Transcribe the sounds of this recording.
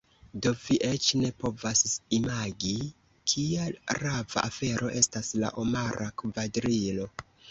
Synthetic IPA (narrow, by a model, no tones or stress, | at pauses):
do̞viʔe̞t͡ʃne̞po̞vasimaɡi | kʰiaɾava̰ʔafe̞ɾʔo̞ʔe̞stasla̰ʔomaɾʔakvadɾilo̞